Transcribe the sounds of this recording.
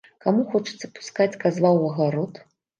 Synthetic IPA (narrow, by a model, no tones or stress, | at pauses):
kamuxɔt͡ʂɨ̥t̪sɐpu̥skat͡sʲkazvawɐɣaɾɔt̪